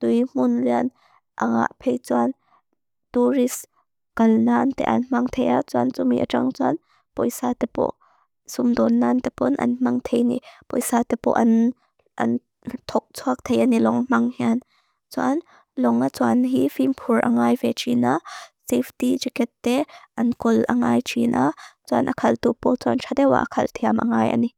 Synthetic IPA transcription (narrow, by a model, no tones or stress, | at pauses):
t̪ujm̥ʊnlian | ʔa̰ŋa̰ʔpʰɛjt͡suan | t̪uris | kɐlnant̪ɛ̰ʔɐ̰nm̥ɐŋt̪ʰejat͡suant͡sumḭʔaʈ͡ʂa̰ŋt͡sua̰n | pɔ̰jsat̪ɛpɔ̰ʔ | sʊmd̪ɔnːant̪ɛpɔnʔɐ̰nm̥ɐŋt̪ʰejnḭʔpɔ̰jsat̪ɛpɔ̰ʔɐn | ʔɐ̰n | t̪ʰɔk̚t͡sʰuak̚t̪ʰejʔanilɔŋm̥ɐŋhian | t͡suan | lɔŋat͡suanɦifimpʰurʔɐ̰ŋaːjvɛt͡ʃinaseftid͡ʒikɛt̪ːɛʔɐnkʊlʔɐŋajt͡ʃʰinʔat͡sua̰nʔɐkʰɐlt̪upɔt͡suant͡ʃʰad̪ɛwa̰ʔɐkʰɐlt̪ʰiamʔɐ̰ŋaːjʔɐ̰ni